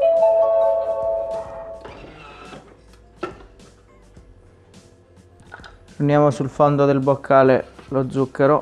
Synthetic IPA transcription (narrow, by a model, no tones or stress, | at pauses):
unjaːmosulfond̪od̪elbokʰːaːlelod̪zːukːeɾo